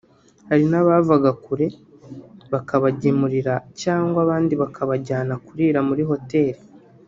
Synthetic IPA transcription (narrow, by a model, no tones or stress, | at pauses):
haɾinaβavaɡakuɾe̞ | βakaβaɟimuɾiɾacaːŋɡwaβaːndiβakʰaβaɟaːnakuɾiːɾamuɾiɦo̞te̞ːɾi